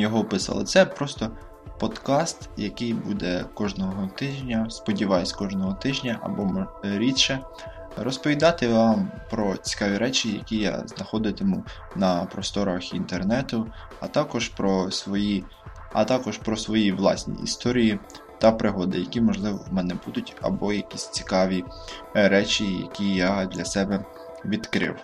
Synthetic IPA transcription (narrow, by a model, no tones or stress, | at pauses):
jɔɦɔpɪsɑ̰lˠɪ̰t̪sɛpɾɔst̪ɔ | pɔd̪kɑst̪jɐkɪjbud̪ɛkɔʒnɔɦɦɔt̪ɪʒnʲɐspɔdʲiʋɑjʊsʲkɔʒnɔɦɔt̪ɪʒnʲɐʔɐ̰bɔmɾʲitʃɛ | rɔspɔʋʲid̪ɑt̪ɪʋɑmpɾɔt͡sʲi̥kɑʋʲiɾɛt͡ʃʲijɐ̰kʲija̰znɐxɔd̪ɪt̪ɪmu | nɐpɾɔst̪ɔɾɐxint̪ernɛt̪ʊ | ɐt̪ɑkɔʒpɾɔsʋɔji | ɐ̰t̪ɑkɔʒpɾɔsʋɔjiʋlˠɑ̰sʲnʲḭːst̪ɔɾʲiji | t̪ɐpɾʔɪɦɔd̪ɪjɐkʲimɔʒlˠɪʋɔ̰wmɛnɛbud̪ʊtʲɐ̰bɔjɐkʲisʲt͡sʲi̥kɑʋʲiɾɛt͡ʃʲijɐ̰kʲijad̪lʲɐsɛbɛ | ʋʲid̪kɾɪ̰w